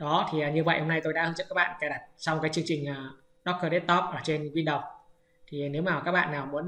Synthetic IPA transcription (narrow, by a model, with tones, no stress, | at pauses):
ɗɔ˨˦t̪ʰi˨˩aː˨˩ɲɨ˧və̰˧˨jho˧ŋ͡mna˧jt̪o˧jɗa̰˧˥hə˧ŋt͡ɕə̰˧˨ka˦˥kɓa̰ː˧˨nka˧˩ɗa˨˩t̚sɔ˧wŋ͡mkaː˨˦jt͡ɕɨ˧əŋt͡ɕï˨˩ŋ̟ʔaː˨˩ | ɗɔ˦˥kəː˧ɗe˦˥t̚t̪ɔ˦˥p̚ʔaː˨˩t͡ɕe˧nkwi˧nɗə˨˩wŋ͡m̚ | t̪ʰi˨˩˨ne˨˦wmaː˨˩kaː˦˥k̚ɓa̰ː˧˨nːaː˨˩wmu˨˦ən